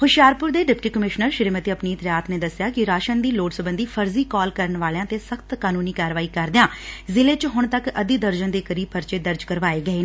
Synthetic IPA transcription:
hʊʃjaːɾpʊɾd̪eːɖɪpʈiːkəmɪʃnəɾʃɪɾiːmət̪iəpniːt̪ɾjaːt̪neːd̪əsjaːkɪɾaːʃənd̪iːloːɖsəbənd̪iːpʰəɾziːkɔːlkəɾəɳʋaːlejãːt̪eːsəkʰt̪kaːnuːniːkaːɾʋaːiːkəɾd̪ɪjãːzɪleːt͡ʃɦʊɳ̃t̪əkəd̪iːd̪əɾd͡ʒənd̪eːkəɾiːpʰəɾt͡ʃeːd̪əɾd͡ʒkəɾʋaːeːɡəeː

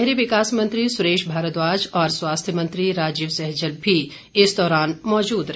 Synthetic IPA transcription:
ɦɾeʋɪkaːsmɐ̃nt̪ɾisʊɾeːʃbʱaːɾət̪ʋaːd͡ʒɔːɾswaːst̪ʰjəmɐ̃nt̪ɾiɾaːd͡ʒiːʋsɛɦd͡ʒəlbʱi | ɪsd̪ɔːɾaːnmɔːd͡ʒuːd̪ɾ

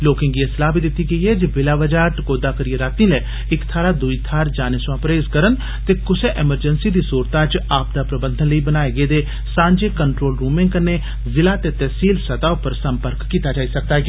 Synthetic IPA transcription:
loːkɪ̃ŋɡiesəlaːbiːd̪ɪt̪ːiːɡəiːɛːd͡ʒeʋɪlaːʋəd͡ʒaːɾʈəkoːd̪aːkəɾijeːɾaːt̪ĩːlɛː | ɪkt̪ʰaːɾaːd̪ʊiːt̪ʰaːɾd͡ʒaːneːsʋãːpɾeːzkəɾən | t̪eːkʊseʔɛməɾd͡ʒənsiːd̪iːsuːɾt̪aːt͡ʃaːp̚d̪aːpɾəbənd̪ʱənləiːbənaːeːɡeːd̪eː | sãːɲd͡ʒeːkəɳʈɾoːlɾuːmɪ̃ŋɡkənːeː | zɪlaːt̪eːt̪ɛːsiːlsət̪aːʊpəɾsəmpəɾkːiːt̪aːd͡ʒaːiːsək̚d̪aːɡː

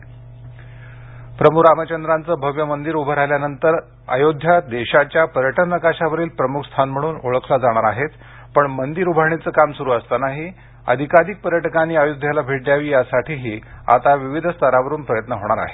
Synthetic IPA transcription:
pɾəmuɾamət͡ɕənd̪ɾant͡səːbʱəʋjəmənd̪iɾubʱəɾajljanənt̪əɾ | ə̰jod̪ʱjad̪eɕat͡ɕjapəɾjəʈənːəkaɕaʋəɾiːlpɾəmukʰst̪ʰanm̤əɽ̃uːnoɭəkʰlad͡zaɽ̃aɾaɦet̪ | pəɳmənd̪iɾubʱəɾɳ̃it͡səːkamsuɾuːəst̪anaɦi | ə̰d̪ʱikaɾik̚pəɾjəʈəkaniːajod̪ʱjalabʱeʈljaʋiːjasaʈʰiːɦiːa̰t̪aʋiʋid̪ʱst̪ʰaɾaʋəɾuːnpɾəjət̪nəɦoɽ̃aɾa̰ɦe̥

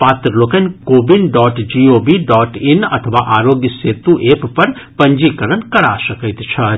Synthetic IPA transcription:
paːt̪ɾəloːkɐnkoːbinɖɔːʈd͡ʒiːoːbiɖɔːʈinɐ̰t̪ʰəʋaːʔaːɾoːɡjəseːt̪uʔeːppɐɾpɐɲd͡ʒikɐɾənkɐɽa̰ːsɐkəjt̪t͡ʃʰɐ

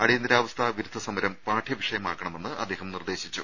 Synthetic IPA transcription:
ɐɽijnd̪iɾaːʋɐst̪ʰaʋiɾud̪ʱɐsɐmɐɾɐmpaːʈʰjɐʋiʂɐjɐmaːkːɐɳɐme̞nːɨʔɐd̪eːɦɐmnird̪e̞ːɕit͡ɕːu

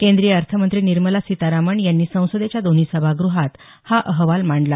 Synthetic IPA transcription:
kẽnd̪ɾijəəɾt̪ʰəmənt̪ɾiːniɾməlasit̪aɾaməɳjanːiːsə̃w̃səd̪et͡ɕjad̪on̤isəbʱaɡɾuɦat̪ | haʔəɦʋalmaɳɖla

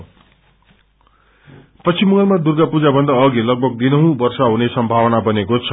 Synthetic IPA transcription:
pʌt͡sʰimʌŋʌlmad̪urɡapud͡zabʱʌnd̪aʌɡilʌɡ̚bʱʌɡ̚d̪inʌɦũbʌrsaɦunesʌmbʱawʌnabʌnekot͡sʰʌ

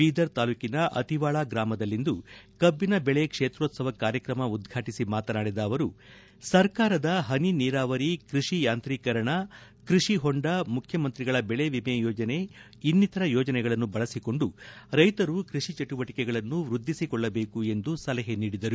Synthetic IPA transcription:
iːd̪ɐɾt̪aːluːkinɐʔɐ̰t̪iʋaːɭaːɡɾaːmɐd̪ɐlːind̪ukɐbːinɐbɛɭekʂe̞ːt̪ɾoːt̪sɐʋɐkaːɾjɐkɾɐmɐud̪ɡʱaːʈisimaːt̪ɐnaːɽid̪ɐːʋɐɾu | sɐɾkaːɾɐd̪ɐɦɐniniːɾaːʋɐɾikɾiʂijaːnt̪ɾiːkɐɾɐɳɐ | kɾiʂiɦoɳɖɐmukʰjɐmɐnt̪ɾiɡɐɭɐbɛɭe̞ʋimɛjɔːd͡ʒɐne̞ | inːit̪ɐɾɐjɔːd͡ʒɐnɛɡɐɭɐnːubɐɭɐsiko̞ɳɖuɾɐjt̪ɐɾukɾiʂit͡ʃɐʈuʋɐʈikɛɡɐɭɐnːuʋɾud̪ʱːisikɔɭːɐbe̞ːkue̞nd̪usɐlɐɦeniːɽid̪ɐɾu

